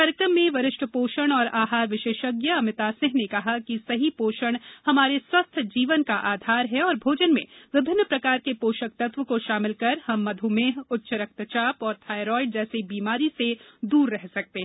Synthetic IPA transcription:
kaːɾjəkɾəmːẽʋɐɾɪʃʈʰəpoːʃəɽ̃ɔːɾaːɦaːɾʋɪʃeːʃəɡjaɐmɪt̪aːsɪ̃ɦnekɐɦakisɐɦipoːʃəɽ̃hɐmaːɾeswɐst̪ʰd͡ʒiːʋənkaʔaːd̪ʱaːɾɦɛɔːɾbʱoːd͡ʒənmḛ̃ʋɪbʱɪnːpɾɐkaːɾkepoːʃək̚t̪ɐt̪ʋəkoʃaːmɪlkɐɾhɐmːɐd̪ʱumeːɦʊtːʃəɾɐk̚t̪t͡ʃaːpɔːɾt̪ʰaːjɾɔːɪɖ̚d͡ʒɛːsebiːmaːɾised̪uːɾːɛɦsɐk̚t̪eɦɛ̃

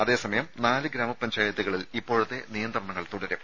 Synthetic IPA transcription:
ɐðe̞ːsɐmɐjɐmnaːlɨɡɾaːmɐpɐɲd͡ʑaːjɐt̪ːiɣɐɭilipːoːɻut̪ːe̞nijɐnd̪rɐɳɐŋːɐɭt̪uɽɐɾu

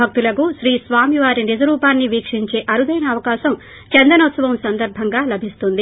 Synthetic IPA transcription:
ɐk̚t̪ulɐkuʃɾiːsʋaːmiʋaːɾinid͡ʒɐɾuːpaːnːiʋiːkʂiɲt͡ʃe̞ːʔɐɾud̪ɐjnɐːʋɐkaːʃɐm | t͡ʃɛnd̪ɐnɔt̪sɐʋɐmsɐnd̪ɐɾbʱɐŋɡaːlɐbʱist̪und̪i

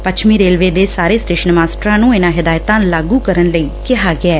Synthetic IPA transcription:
pət͡ʃʰmiːɾeːlʋeːd̪eːsaːɾeːsʈeːʃənmaːsʈɾãːnũːɪnãːɦɪd̪aːjt̪ãːlaːɡuːkəɾənləiːkɪɦaːɡɪaː

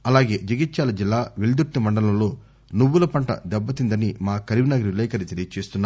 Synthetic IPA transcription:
ɐlaːɡe̞ːd͡ʒɐɡit̪ːʃaːlɐd͡ʒilːaːʋeɭid̪uʈːimɐɳɖɐlɐmlo̞ː | nuʋːulɐpɐɳʈɐ̰d̪ɛbːɐt̪ind̪ɐnimaːkɐɾiʋinɐɡɐɾilɛːkɐɾit̪elijɐt͡ʃeːst̪unːaː

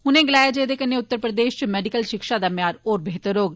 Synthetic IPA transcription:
hʊnẽːɡɪlaːjaːd͡ʒeːd̪eːkənːeːʊt̪ːəɾpɾəd̪eːʃt͡ʃmɛːɖikəlʃɪkʃãːd̪aːmɪjaːɾoːɾbʱeɦːt̪əɾoːɡ

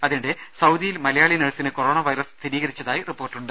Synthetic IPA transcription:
ɐðinɖesɐwd̪ijilmɐlɐjaːɭineɻsinɨko̞ro̞ːɳɐʋɐjɾɐsst̪ʰiɾiːɣɐɾit͡ɕːɐðaːjiripːo̞ːrʈːuɳɖɨ

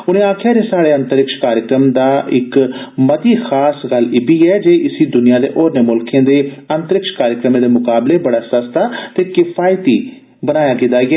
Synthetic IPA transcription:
ʊnẽːaːkʰjaːɾeːsaːɽeːənt̪əɾɪkʃkaːɾjəkɾəmd̪aːʔɪkməd̪iːxʰaːsɡəlɪːbiːɛːd͡ʒeːʔɪsiːd̪ʊnɪjãːd̪ḛːʔoːɾneːmʊlkʰẽːd̪eːənt̪əɾɪkʃkaːɾjəkɾəmẽːd̪eːmʊkaːbleːbəɽaːsəst̪aːt̪eːkɪpʰaːjt̪iː | bənaːjaːkɪt̪ːaːiɛː

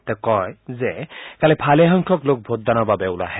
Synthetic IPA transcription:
t̪ɛkɔjzɛkalɛpʰalɛɦɔŋkʰɔklok̚bʱoddanɔɹbabɛʊla̰ɦɛ

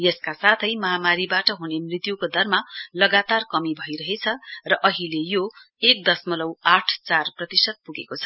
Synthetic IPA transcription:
jʌskasat̪ʰʌjmʌɦamaɾibaʈʌɦunemrit̪jukod̪ʱʌrmalʌɡat̪arkʌmibʱʌjɾʌɦet͡sʰʌrʌʔʌɦilejo | ek̚d̪ʌsmʌlʌwaʈʰt͡sarprʌt̪isʌd̪̚puɡekot͡sʰʌ̥

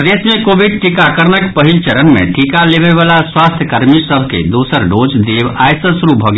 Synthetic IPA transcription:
d̪eːsmẽkoːʋɪɖ̚ʈikaːkəɾnəkpɐɦilt͡ʃɐɾənmḛ̃ʈʰiːkaleːʋeʋaːlaswaːst̪ʰjəkɐɾmisəbʱkḛd̪uːsəɾɖoːd͡ʒd̪eːʋaːjsəsɾuːp̚bʱoɡ

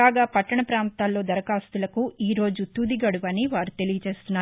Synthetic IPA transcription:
aːɡaːpɐʈːɐɳɐpɾaːnt̪aːlːo̞ːd̪ɐɾɐkaːst̪ulɐkuiːɾo̞ːd͡ʒut̪ud̪iɡɐɽuʋɐniʋaːɾut̪e̞lijɐt͡ʃe̞ːst̪unːaː

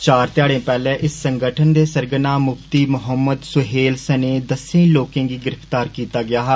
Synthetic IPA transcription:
t͡ʃaːɾt̪ɪjaːɽẽːpɛːlɛ̃ːʔɪsːəŋɡəʈʰənd̪eːsəɾɡənãːmʊpt̪iːmʊɦəmːəd̪sʊɦeːlsəneːd̪əsẽloːkẽːɡiːɡɪɾəpt̪aːɾkiːt̪aːɡɪaːɦɛ

